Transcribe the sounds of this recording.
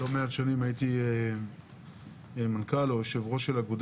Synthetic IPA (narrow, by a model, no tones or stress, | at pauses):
lomeatʃanimajit̪ie | mankalojʃevʁo̞ʃelaɡud̪